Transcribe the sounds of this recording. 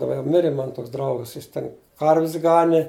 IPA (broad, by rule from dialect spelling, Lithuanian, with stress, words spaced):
dɐˈbɐ jɛʊ ˈmʲɪrʲeː ˈmɑːnɐ ˈtoːks ˈdrɐʊɡɐs ˈjɪs tʲɛn ˈkɐrʲʋʲɪs ˈɡɑːnʲɪ